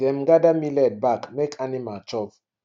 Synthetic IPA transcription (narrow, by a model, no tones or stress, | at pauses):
ɛmɡadamilɛd̚bakmekʰanimat͡ʃɔp